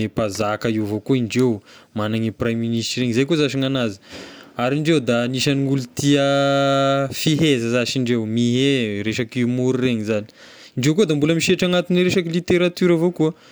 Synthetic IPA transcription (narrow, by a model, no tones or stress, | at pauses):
epazakaiwvokuiɳɖ͡ʐewmanaŋiprajmːinisʈreɲzajkozaʃiŋanazi̥aɾiɳɖ͡ʐewd̪aniʃaniŋulut̪iə | fiɦezəzaʃiɳɖ͡ʐewmiɦeɾeʃakiumuɾureɲizani̥ | iɳɖ͡ʐewkod̪ambuləmiʃiaʈ͡ʂaŋat̪ineɾeʃakilit̪eɾat̪yɾavokuə